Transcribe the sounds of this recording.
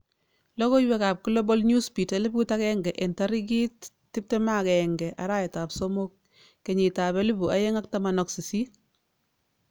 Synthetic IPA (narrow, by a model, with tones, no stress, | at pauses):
lɔ˦kɔ˦jwɛ˦kaː˨p̚ku˦lɔ˦bɔ˦lɲju˦spi˨ta˦lɪ˦bku˦ta˦kɛŋɡɛ˨ʔɛ˨nta˦ɾi˦k̬i˦tː | ɪ˦p̚tɛma˦kɛŋɡɛ˨ʔa˨ɾa˦jɛ˨ta˨psomo˦k̚ | ke˨ɲi˨ta˨βɛ˦lɪ˦bu˨a˦je˦ŋa˦k̚ta˦ma˨nɔ˨ksi˨si˦